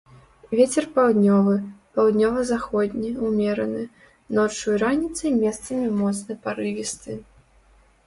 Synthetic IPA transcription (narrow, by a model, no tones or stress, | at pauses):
vʲet͡sʲɛrpawd̪nʲɔvɨpawd̪nʲɔvɐzaxɔd̪ʲnʲiumʲɛɾɐnɨ | nɔt͡ʂujɾanʲit̪sɨjmʲɛst̪sɐmʲimɔt̪snɐjpaɾɨvʲist̪ɨ